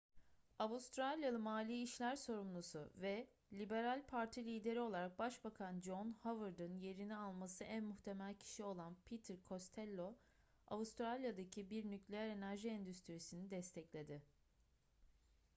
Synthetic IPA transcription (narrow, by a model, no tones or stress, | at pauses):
avust̪ɾalʲjalˠɯmaːlʲiːʃlʲæɾso̞ɾumlˠusʊ̰vɛ | lʲibe̞ɾalʲpʰaɾt̪ʰilʲiːd̪e̞ɾio̞lˠaɾak̚baʃbakʰand͡ʒonhavɯɾd̪ɯnje̞ɾinialˠmasɯʔænmuxt̪ʰe̞mælʲcʰi̥ʃio̞lˠanpʰit̪ʰɾkʰo̞st̪ʰɛlʲːo̞ | a̰vust̪ɾalʲjad̪acʰibiɾnyclʲejæɾe̞næɾʒiɛnd̪yst̪ɾisinid̪ɛst̪ʰɛclʲe̞d̪ɪ